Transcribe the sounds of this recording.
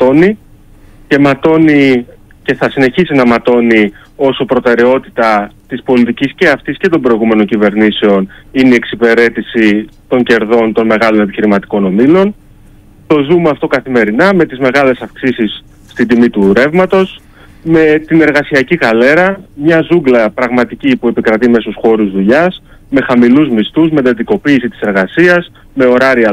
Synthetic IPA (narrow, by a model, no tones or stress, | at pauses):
t̪o̞ni | ce̞mɐt̪o̞ni | ce̞θɐsine̞çisinɐmɐt̪o̞ni | o̞sopɾo̞t̪e̞ɾe̞o̞t̪it̪ɐt̪ispo̞lit̪icisce̞ɐft̪isce̞t̪ombɾo̞iɣume̞no̞ɲcive̞ɾniseo̞nineieksipe̞ɾe̞t̪isit̪o̞ɲɟe̞ɾðo̞nt̪o̞nme̞ɣɐlo̞ne̞piçiɾimɐt̪i̥ko̞no̞milo̞n | t̪o̞zumɐft̪o̞kɐθime̞ɾinɐme̞t̪izme̞ɣɐle̞sɐfksisisː | t̪id̪imit̪uɾe̞vmɐt̪o̞s | me̞t̪ine̞ɾɣɐsiɐciɣɐle̞ɾɐmɲɐzuɡlɐpɾɐɣmɐt̪icipue̞pikɾɐt̪ime̞susxo̞ɾuzðuʎɐs | me̞xɐmiluzmist̪uzme̞d̪ɐt̪iko̞piːsit̪i̥se̞ɾɣɐsiɐz | me̞o̞ɾɐɾiɐ